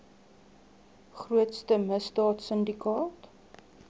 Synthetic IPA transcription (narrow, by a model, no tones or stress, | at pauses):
χruətstəməsdɑːtsəndikɑːt